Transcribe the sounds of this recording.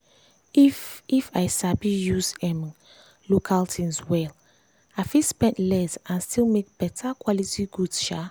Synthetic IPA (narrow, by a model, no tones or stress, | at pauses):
ifajsabijuzɛ̃m | lokʰaltʰĩŋswɛl | aɪfispɛ̃ntlɛzãnstilmek̚b̥ɛtʰakʰwɔlitiɡudʃa